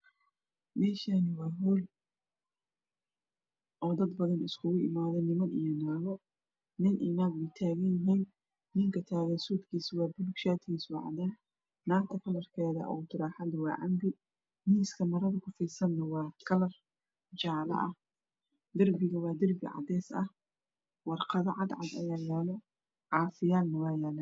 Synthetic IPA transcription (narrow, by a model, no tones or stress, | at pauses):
mɛːʃanɪwɑːɦɔːl | ʔɔːd̪ɐd̪bɐðɐnɪskʰʊɣʊʔɪ̰maːðɔnɪmɐnijɞnaːɣɔ | nɪnʔɪnaːɡɪt̪ʰaːɣɐjɪɦiːnː | ɪŋkʰɐt̪ʰaːɣɐnsuːd̪kʰiːswɑːbʊlɡʃaːt̪ʰɡiːsʊʕɑ̰d̪aː | naːrt̪ʰɐkʰɐlɐrkʰɛːðɐ̰ʔɔ̰ːt̪ʰɪɾaːħɑd̪wɑ̰ːʕɑmbɪ | niːskʰɐmɐɾɐðɐkʰʊfiːsɐnːɐwɑːkʰɐlɐr | t͡ʃaːlɐ̰ʔɐh | d̪ɐrbɪɣɐwɑːd̪ɐrbɪ̰ʕɑ̰d̪ɛːsɐh | wɑrqɐðɐʕɑd̪ʕɑ̰d̪ɐ̰jaːjɛːlɔ | ʕɑːfɪjaːlnɐwɑːjɛːlɐ